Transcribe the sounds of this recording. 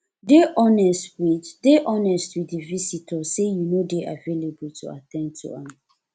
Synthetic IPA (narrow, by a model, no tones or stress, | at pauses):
deʔɔnɛstwiddeʔɔnɛstwiθdəvisitʰəsejunodeʔavelebultʰṵa̰tʰɛ̃nd̚tʰṵãm